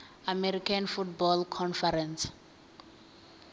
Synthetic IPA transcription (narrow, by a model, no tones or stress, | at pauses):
amɛɾikʰanfut̚bɔlkʰɔnfɛɾɛns